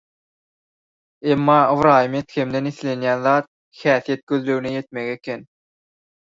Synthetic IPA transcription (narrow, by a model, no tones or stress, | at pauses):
emːɑːɯvɾɑːjɯme̞t̪xʲe̞md̪e̞niθle̞njæːnðɑːt̪̚ | xæːθije̞t̪̚ɡ̥øðløwneje̞t̪̚me̞ɣekʲʰen